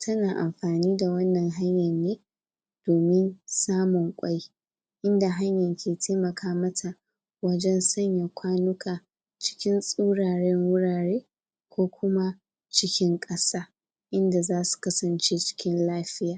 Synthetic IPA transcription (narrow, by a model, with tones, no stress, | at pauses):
tʰɐ˦naː˨ʔa̰˨mɸaː˨niː˦da˨wɐ˦nːɐ˨ŋɦa˦ɲjɐ˨nːeː˦ | d̥oː˨mɪ˦nsaː˦mʊ˨ŋkʷʼa˦j | ʔɪ˦nda˨ɦa˦ɲjɐ˨ŋkʲʰeː˨tʰeː˦mɐ˨kʰaː˦mɐ˦tʰa˨ | wɐ˦d͡ʒɛ˦nsɐ˦ɲja˨kʷaː˦nʊ˦kʰaː˨ | t͡ʃɪ̥˦kʲɪ˦nsʼuː˦ɽaː˨ɽɛ˦ŋwʊ˦ɽaː˨ɽeː˦ | kʷoː˦kʷʊ˦ma˦ | t͡ʃɪ˦kʲɪ˦ŋkʼɐ˦saː˦ | ʔɪ˦nda˨zaː˦su̥˨kɐ˦sɐ˨nt͡ʃe˦t͡ʃɪ̥˦kʲɪ˦nlaː˦ɸɪ˦jaː˨